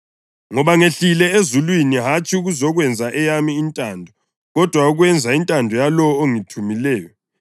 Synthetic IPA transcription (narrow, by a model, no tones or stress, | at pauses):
ŋɔβaŋeɬilɛezulwiniɦat͡ʃʼiuɣuzɔɣwɛnd͡zʱaʔɛjamiːntʼandʱɔ | ɣɔd̥ʱwauɣwɛnd͡zʱaintʼandʱɔjalɔɔoŋitʰumilɛːjɔ